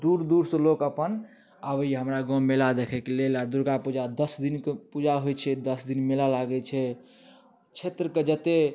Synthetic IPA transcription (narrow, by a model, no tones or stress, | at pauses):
d̪uɾd̪uɾsəlokəpən | əbiɦəmɾaɡɔ̃melad̪ekʰɛkelelad̪uɾɡapud͡ʒad̪əsd̪inkepud͡ʒaɦojt͡ʃʰɛd̪əsd̪inmelalaɡɛt͡ʃʰɛ | t͡ʃʰet̪ɾəked͡ʒət̪e